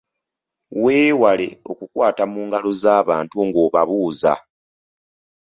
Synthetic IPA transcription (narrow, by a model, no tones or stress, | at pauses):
we̞ːwale̞̰o̞̰kukwaːtamuːŋɡalo̞zaːβaːntuŋɡo̞ːβaβuːza̰